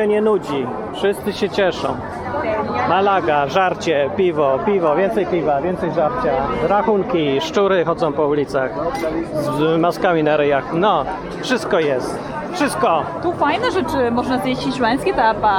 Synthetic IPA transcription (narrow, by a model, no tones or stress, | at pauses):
ɛɲɛnud͡ʑi | fʂɘst̪sɘɕɛt͡ɕɛʂɔ̰̃w̃ | malaɡaʐaɾt͡ɕɛpʲivɔpʲivɔvʲjɛnt̪sɛjpʲivavʲjɛnt̪sɛjʐaɾt͡ɕaɾaxuŋkʲiʂt͡ʂuɾɘxɔd̪zɔ̃w̃pɔulʲit̪saxzmaskamʲinaɾɛjaxnɔ | fʂɘst̪̚kɔjɛst̪ | fʂɨst̪̚kɔt̪ufajnɛʐɛt͡ʂɘmɔʐnazjeɕt͡ɕimɛ̃j̃skʲɛt̪apa